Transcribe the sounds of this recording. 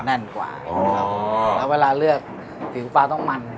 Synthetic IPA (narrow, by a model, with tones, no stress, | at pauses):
nɛ˥˩nkwa̰ː˨˩˧a˦˧˥ɛː˦˥weː˧laː˧lɯ˥˩ək̚ | fʰi˨˩˦wfaː˧t̪ɔ˥˩ŋma˧n